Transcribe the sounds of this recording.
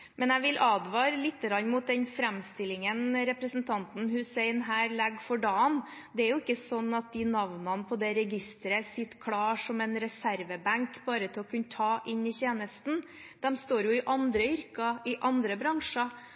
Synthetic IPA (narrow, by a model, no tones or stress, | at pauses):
mʔɛnæʋɪlʔɑːd̪ʋɑːɾlɪt̪ːəɡɾɑnmʊt̪̚d̪ɛnfɾæmst̪ɪlːɪŋənɾɛpɾəsnt̪ʰɑnt̪n̩ɦhʉːsɛɪnɦæːɾlæɡfɔɖɑːn | d̪ɛæɾjʊɪkːəsɔnːɑt̪̚d̪ɪnɑʋnɑnpʰɔd̪ɛɾɛɡɪst̪əɾəsɪt̪ːkʰɽɑːʂɔmɛnɾɛsæɾʋəbæŋkbɑːɾət̪ʰɪlɔkʰʉnːət̪ʰɑːʔɪnːɪçeːnəst̪n̩ | d̪̥ɛmst̪oːɾjʊɪʔɑnd̪ɾəʏɾkɑʔɪʔɑnd̪ɾəbɾɑŋʂɑ